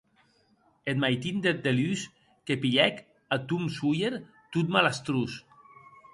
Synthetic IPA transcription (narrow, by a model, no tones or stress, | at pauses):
et̪̚majt̪ind̪et̪̚d̪elys | kepiʎɛk | at̪umsujeɾ | t̪ut̪malast̪ɾus